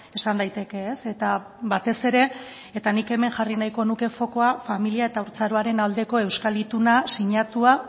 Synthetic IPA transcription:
e̞sand̪ajt̪e̞ke̞ːse̞t̪a | βat̪e̞se̞ɾe̞ | et̪anike̞me̞ŋʝarinajko̞nuke̞fo̞ko̞afamiliae̞t̪auɾt͡saɾoaɾe̞nald̪e̞ko̞e̞wskalit̪unasiɲat̪ua

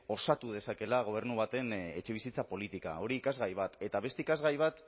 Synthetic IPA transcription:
o̞sat̪uð̞e̞sake̞laɣo̞β̞e̞ɾnuβ̞at̪e̞ne̞t͡ʃe̞βisit͡sapo̞lit̪ika̰o̞ɾiːkazɣajβ̞at̪e̞t̪aβe̞st̪e̞ikazɣajβ̞at̪

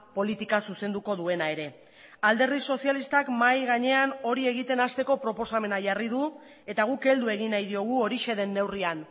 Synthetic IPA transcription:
po̞lit̪ikasuse̞nd̪uko̞ðue̞nae̞ɾe̞ | ald̪e̞rðiso̞sialist̪akmajɣaɲe̞ano̞ɾie̞ɣit̪e̞nast̪e̞ko̞pɾo̞po̞same̞naʝariðu | e̞t̪aɣ̞uke̞ld̪ue̞ɣinajðio̞ɣ̞uo̞ɾiʃe̞ð̞e̞nːe̞wrian

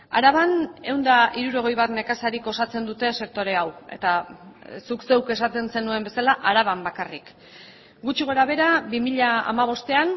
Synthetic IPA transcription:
aɾaβane̞wnd̪aiɾuɾo̞ɣ̞e̞jβat̪ne̞kasaɾiko̞sat͡se̞nd̪ut̪e̞se̞k̚t̪o̞ɾe̞awe̞̰t̪asukse̞wke̞sat̪e̞nse̞nue̞mbe̞salaʔaɾaβ̞ambakarik | ɡut͡ʃiɣo̞ɾaβ̞e̞ɾabimiʎaa̰maβ̞o̞st̪e̞an

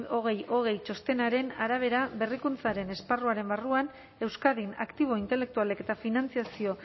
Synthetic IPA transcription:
o̞ɣ̞e̞jo̞ɣ̞e̞jt͡ʃo̞st̪e̞naɾe̞naɾaβ̞e̞ɾaβe̞rikunt͡saɾe̞ne̞sparuaɾe̞mbaruan | e̞wskaðina̰kt̪iβ̞o̞int̪e̞le̞k̚t̪ualeke̞t̪afinant͡siasio̞

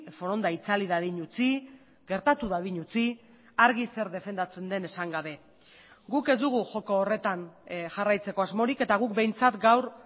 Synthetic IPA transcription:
fo̞ɾo̞nd̪ait͡saliðaðiɲut͡si | ɡe̞ɾt̪at̪uðaðiɲut͡si | aɾɣise̞ɾðe̞fe̞nd̪at͡se̞nd̪e̞ne̞saŋɡaβ̞e̞ | ɡuke̞zd̪uɣ̞uʝo̞koːre̞t̪anʝarajt͡se̞ko̞azmo̞ɾike̞t̪aɣ̞uk̚be̞jnt͡sat̪ɡawɾ

